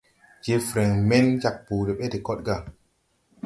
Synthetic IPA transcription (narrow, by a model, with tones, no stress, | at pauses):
je˧fɾe˨ŋme˦nd͡ʒa˨k̚pu˨de˨ɓe˦di˨ko˦t̚ɡa˦˨